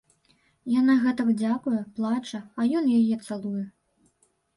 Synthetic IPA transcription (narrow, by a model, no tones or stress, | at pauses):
janaɣɛt̪ɐd͡zʲakujɛplˠat͡ʂɐɐjɔnjajɛt̪sɛlˠujɛ